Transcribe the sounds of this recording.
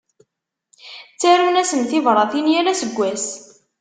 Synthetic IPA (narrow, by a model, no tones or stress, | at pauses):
t͡sːæɾunæsənθivɾˤɑθinjaɾæsəɡʷːæs